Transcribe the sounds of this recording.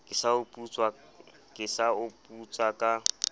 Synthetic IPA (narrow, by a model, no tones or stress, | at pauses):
kʼɪsaʊpʼut͡sʼwa | kʼɪsaʊpʼut͡sʼakʼa